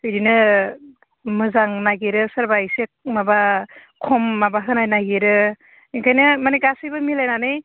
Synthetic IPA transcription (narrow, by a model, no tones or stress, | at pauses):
hɯjɾinɯ | mɯzaŋnaɡeɾɯsaɾbajsek̚mabakʰɔmːabaɦɯnajnaɡeɾɯ | iŋkʰajnɯmanekasɯjbɯmilajnanɯj